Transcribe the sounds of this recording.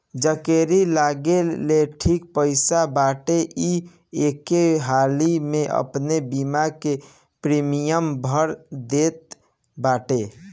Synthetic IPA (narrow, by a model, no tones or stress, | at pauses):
d͡ʒəkeɾilaɡeleʈʰik̚pəɪsabaʈeʔi | ekeɦalimeʔə̰pnebimake | pɾimijəmbʱəɾd̪et̪̚ | baʈe